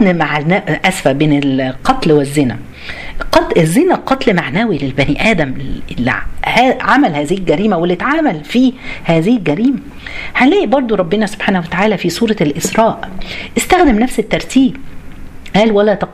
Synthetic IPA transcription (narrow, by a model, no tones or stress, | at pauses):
nmaʕanæʔʔæsfæʔbeːnelqɑt̪lwezːenæ̰ | qɑezːenæqɑt̪ˤlmaʕnæːwilelbæniːʔæːd̪æml̰ːhæːʕamælhæːzɪhɪlɡæɾiːmæwelːɪt̪ʕaːmælfiːhæːzɪhɪlɡæɾiːmæ | hælæːʔbɑɾˤd̪ˤoɾˤɑbːenæso̥b̥ħaːnæhwæt̪aʕaːlæfiːsˤuːɾˤɑlʔɪsɾˤɑːʔʔɪst̪æxd̪emnæfset̪ːɑɾˤt̪ʰiːb | ʔæːlwælːæt̪ɑq